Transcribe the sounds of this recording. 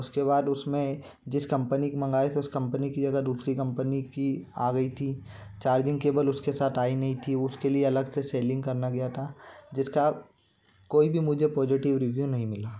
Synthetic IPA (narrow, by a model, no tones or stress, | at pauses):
ʊskeβaːd̪ʊsmẽ | d͡ʒɪskɐ̃mpənikmɐ̃ŋɡaːet̪ʰeʊskɐ̃mpənikid͡ʒɐɡad̪uːsɾikɐ̃mpənikia̰ːɡɐit̪ʰit͡ʃaːɾd͡ʒɪ̃ŋɡkeːbəlʊskesaːt̪ʰaːinɐɦĩt̪ʰiʊskelieɐləɡseseːlɪ̃ŋɡkɐɾnaɡɪjat̪ʰaːd͡ʒɪska | koːibʱimʊd͡ʒʱepɔːd͡ʒɪʈɪʋɾɪʋjunɐɦĩmɪlaː